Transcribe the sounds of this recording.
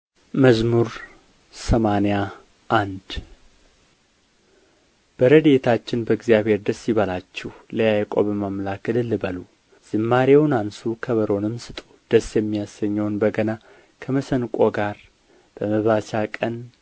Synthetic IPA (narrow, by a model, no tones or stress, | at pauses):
məzmuɾ | səmaneja | ʔand̪ | b̥əɾəd̪e̞t̪ʰat͡ʃːɪnbəɨɡzijaβhe̞ɾd̪əsːiβəlat͡ʃːɛhləjajkʼo̰bəmamlakəlɨlːɨbəlu | z̥ɨmːaɾewnansukʰəβəɾo̞nɨmsɨt̪ʼo̥d̪̥əsjɛmːijasːəɲːɛwnbəɡəna | kʰəməsənkʼo̞ɡaɾ | b̥əməβat͡ʃakʼən